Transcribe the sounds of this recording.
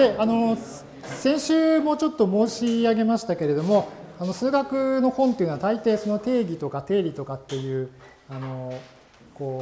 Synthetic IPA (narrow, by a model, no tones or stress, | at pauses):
d̪e̞ano̞ | sẽ̞ɰ̃ɕɨːmo̞t͡ɕo̞t̪ːo̞mo̞ːɕiaɡe̞maɕi̥t̪ake̞ɾe̞d̪o̞mo̞ano̞sɨːɡakɯ̟no̞hõnt̪e̞jɯ̟noat̪ait̪e̞ːso̞no̞t̪e̞ːɡʲit̪o̞kat̪e̞ːɾʲit̪o̞kat̪ːe̞jɯ̟ː | ano̞ | ko̞ː